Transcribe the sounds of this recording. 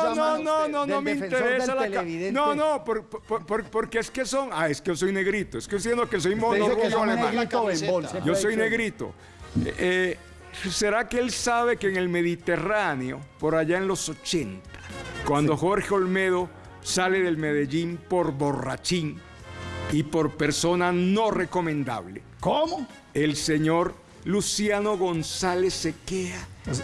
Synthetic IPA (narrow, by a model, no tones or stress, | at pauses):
nononononomeint̪eɾesalakanonopoɾppopoɾpoɾkeeskesoŋaeskejos̬o̞jne̞ɣɾit̪oest̪os̬jend̪okes̬o̞jmonoɣuolea | joso̞jne̞ɣɾit̪o̰ | e | se̞ɾakeelsaβe̞keːŋe̞lme̞ðit̪e̞raneo̞̰po̞ɾaʝaenlo̞so̞t͡ʃe̞nt̪ḁkwand̪o̞xo̞ɾxeo̞lme̞ðo̞ | sale̞ðe̞lmeðe̞ʝimpo̞ɾbo̞rat͡ʃiŋ | ipoɾpe̞ɾso̞nano̞re̞ko̞mẽnd̪a̰βlḛ | komo | e̞lse̞ɲoɾ | lusjano̞ɣo̞nsale̞sːe̞kea